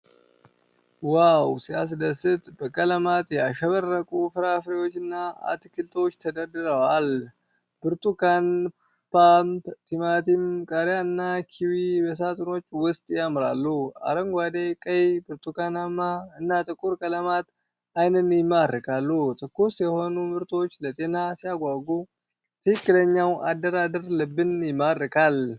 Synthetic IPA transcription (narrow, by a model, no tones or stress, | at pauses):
wawsɪa̰s̬d̪ɐsɨt̪bəkʼɐlɐmat̪jaʃɐβɐɾːɐkʼufɨɾaːfɾewot͡ʃːɪnːaa̰t̪kɪlt̪ʼot͡ʃːt̪ʰɐd̪ɐɾd̪ɨɾɐwal | b̥ɨɾt̪ʼukan | pampt̪ʰɪmaːt̪ɪmkʼɐɾjaɨnːakʰɪwibəs̬at̪ʼɨno̞t͡ʃːwʊst̪ʼjamɾa̰lːua̰ɾəŋɡʷad̪ekʼəjbɨɾt̪ʼukanamːaɨnːat̪ʼɨkʼuɾkʼələmat̪ | ajnənjɪmːarːɨkʼalːut̪ʼɨkːusjɛho̞numɨɾt̪ʼo̞t͡ʃːlət̪ʼe̞nasijaɡʷaɡu | t̪ʰɨhɨkːɨləɲːawad̪ːəɾad̪əɾlɨbːɨnjɪmːaɾːɨkal